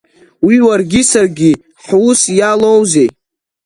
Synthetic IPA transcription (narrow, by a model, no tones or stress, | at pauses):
wiwarɡʲisarɡʲi | ħusjalowzej